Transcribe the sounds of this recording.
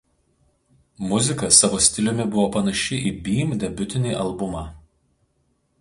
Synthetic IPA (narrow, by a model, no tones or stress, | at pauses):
mʊzʲɪkɐsɑʋoːsʲt̪ʲɪlʲʊmʲɪbʊʋoːpɐnɐʃʲɪʔiːbʲiːmd̪ʲɛbʲʊt̪ʲɪnʲiːʔɐlˠbʊmɑː